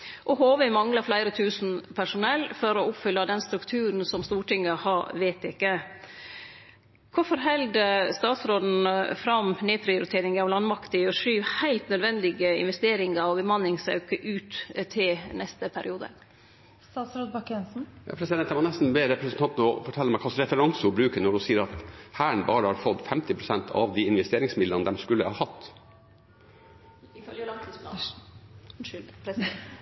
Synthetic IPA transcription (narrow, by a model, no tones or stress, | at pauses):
ʔɔhoːʋəɪmɑŋlɑflæɪɾət̪ʰʉːsn̩pʰæʂʊnɛlːfɔɾɔʊpfʏlːɑd̪ɛnst̪ɾʉkt̪ʰʉːɾn̩sɔmst̪uːʈɪŋːəhɑʋeːt̪ɪkːə | kʰʊfɔɾɦɛld̪əst̪ɑːt̪sɾoːd̪n̩fɾɑmnyːpʰɾɪʊɾɪt̪ʰeːɾɪŋɑʋlɑnmɑkt̪ɪɔʂyːʋhæɪlt̪nœd̪ʋɛnd̪ɪɡəɪ̰nʋɛst̪eːɾɪŋɑɔbəmɑnːɪŋsɑ̰ʉkəʔʉːt̪t̪ʰɪlnɛst̪əpʰæɾɪuːd̪ə̰ | st̪ɑːt̪sɾoːd̪̚bɑkɛnsn̩jɑ̰ːpʰɾɛsɪd̪ɛnɛmɑnɛst̪n̩bɛɾɛpʰɾɛsnt̪ɑnt̪ənəɔfɔʈʰɛlːəmæɪkʰɑsɾɛfəɾɑŋsʊbɾʉːkənɔɖʉsiːəɾɑt̪hæːɳbɑːɾəhɑɾfɔd̪fɛmt̪ɪpʰɾʊsɛnt̪ʰɑ̰ʋd̪iɪnʋɛst̪eːɾɪŋsmɪd̪lənəd̪ɛmskʉlːəhɑːhɑt̪ː | ɪfœljəlɑt̪slɑ | p